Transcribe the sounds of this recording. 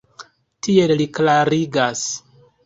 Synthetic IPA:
tʰielliklaɾiɡas

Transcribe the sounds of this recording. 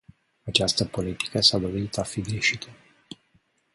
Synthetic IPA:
at͡ʃast̪əpo̞lit̪i̥kəsad̪o̞vit̪afiɡɾeʃit̪ʰə

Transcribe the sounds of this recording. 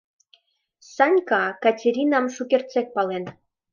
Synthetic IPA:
sɑnʲkɑkɑtʲeɾʲinɑmʃukʲert̪t͡sek̚pɑlen

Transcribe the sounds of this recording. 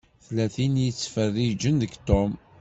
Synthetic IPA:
θlæθinjət͡sːfərːid͡ʒənðəɡt̪om

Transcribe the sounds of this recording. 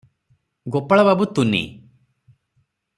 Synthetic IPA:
ɡopaɭababut̪unḭ

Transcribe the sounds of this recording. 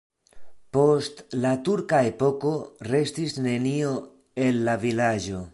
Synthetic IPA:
po̞stlatuɾkaepo̞ko̞ɾe̞stisne̞nio̞ | e̞lːavilad͡ʒo̞

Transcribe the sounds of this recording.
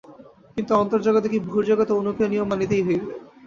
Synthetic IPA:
kint̪uɔnt̪oɾd͡ʑaɡod̪ekibʱuɾd͡ʑoɡot̪oonukʰoniomːanit̪ejɦeɡbe

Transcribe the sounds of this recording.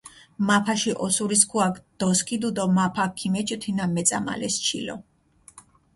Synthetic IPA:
mapʰaʃiʔɔsuɾiskʰuakd̪̥ɔskʰid̪ud̪ɔmapʰakʰːimɛt͡ʃʼt̪ʰinamɛt̪sʼa̰ma̰lɛst͡ʃʰḭlɔ

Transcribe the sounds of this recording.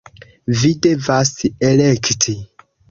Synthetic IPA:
vide̞vaselektʰi

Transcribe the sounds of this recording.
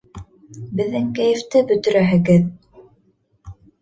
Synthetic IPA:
bɘ̆ðːɘŋkæjɘ̆ft̪ɘbɵ̆t̪ɵ̆ɾæɦɘ̆ɡɘð

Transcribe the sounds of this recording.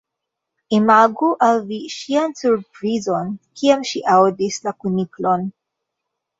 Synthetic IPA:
imaɡuʔalviʃiansuɾpɾizo̞nkiamʃiʔawdislakuniklo̞n

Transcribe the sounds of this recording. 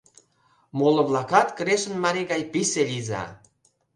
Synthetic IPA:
molə̆βlɑkɑt̪kəɾeʃə̆nmɑɾiɣɑjpiselʲizɑ̰

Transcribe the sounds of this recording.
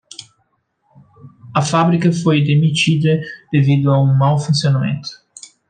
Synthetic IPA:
ɐfabɾikɐfojd̪emit͡ʃid̪əd̪̥evid̪ʊaũŋmawfũnsionamḛ̃nt̪ʊ̥

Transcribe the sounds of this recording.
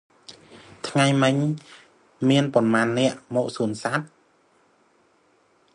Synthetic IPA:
t̪ʰŋajmɨɲ | miənponmaːnːɛ̆əʔmɔːʔ̚suənsat̪̚

